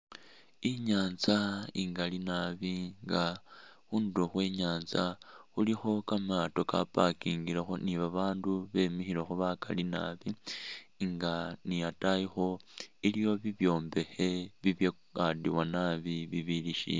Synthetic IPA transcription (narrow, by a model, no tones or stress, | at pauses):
iɲaːnzaiŋɡalinaβiŋɡa | xuːnduxweːɲaːnzaxulixo̞kamato̞ka̰pakiːŋɡilexoniβaβaːnduβemixilexuβaka̰lina̰βi | ŋɡanijatajixo̞ilijo̞βiβjo̞ːmbe̞xe̞βiβje | adiwanaβiβiβiliʃḭ